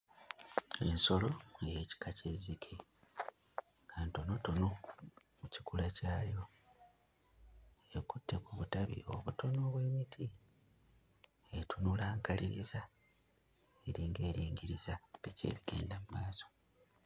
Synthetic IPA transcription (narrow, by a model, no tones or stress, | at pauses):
e̞nso̞lo̞jeːci̥kace̞zikʰe | anto̞no̞tono | mucikulacaːjo̞ | ekutːe̞kuβutaβḭo̞̰βuto̞no̞ːβwe̞ːmitʰi | etunulaːŋkaliɾiza | eɾiːŋɡe̞ːɾiːŋɟiɾizabece̞̰ːβiɡe̞̰ːndamumaːso̞̥